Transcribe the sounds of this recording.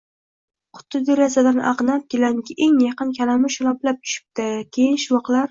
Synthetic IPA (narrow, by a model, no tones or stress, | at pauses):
qʰʊ̥t̪ʰːɪd̪eɾazad̪anʔɑ̰ʁnap̚kʲelaŋɡʲɪʔeŋjɑqɨnkʲʰalamɪʃʊlˠɒplap̚t̪ʰʊ̥ʃɪ̥p̚t̪ɪkʲʰejɪnʃɪvɒqlˠaɾ